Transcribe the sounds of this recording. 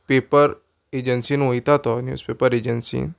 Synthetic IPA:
peːpəɾ | ed͡ʒənsinoit̪at̪ɔnjṵːspeːpəɾed͡ʒənsḭn

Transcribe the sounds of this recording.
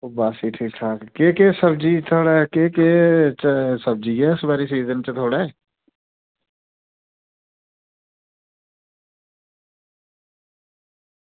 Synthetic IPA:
oːbaːsiːʈʰiːkʈʰaːkkeːkeːsəbd͡ʒiːt̪ʰoːɽɛːkeːkeːt͡ʃsəb̚d͡ʒiːɛːɪsbaːɾiːsiːzənt͡ʃt̪ʰoːɽɛː

